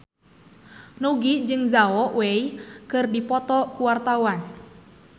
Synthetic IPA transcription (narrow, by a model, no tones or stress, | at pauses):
nuɡid͡ʒɨŋzaɔwɛikɨrdipɔt̪ɔkuwart̪awan